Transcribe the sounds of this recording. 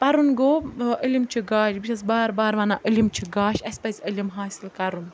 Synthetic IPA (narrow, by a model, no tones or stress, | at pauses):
pɐɾunɡoːʔəlʲimt͡ʃʰiɡaːʃbiʃʰɐsbaːɾbaːɾʋanaʔəlimt͡ʃʰiɡaːʃʲɐsʲpɐzʲəlimɦaːsilkɐɾun